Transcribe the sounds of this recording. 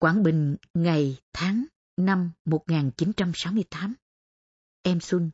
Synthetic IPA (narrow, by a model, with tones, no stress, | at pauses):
kwaː˧˩nɓï˨˩ŋ̟ŋa˨˩jt̪ʰaː˨˦ŋ | na˧mːo˨˩t̚ŋaː˨˩nt͡ɕi˨˦nt͡ɕa˧msa˨˦wmɨ˧əjt̪aː˨˦m | ʔɛ˧mswi˧ŋ